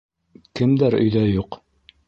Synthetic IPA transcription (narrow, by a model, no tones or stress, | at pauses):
kɘ̆md̪æɾɵ̰̆jðæjuq